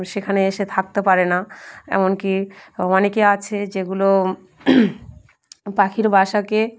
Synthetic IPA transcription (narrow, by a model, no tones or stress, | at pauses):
ʃekʰaneeʃet̪ʰak̚t̪epaɾenaɛ̰monkiɔnekeat͡ɕʰed͡ʑeɡulo | pakʰiɾbʱaʃake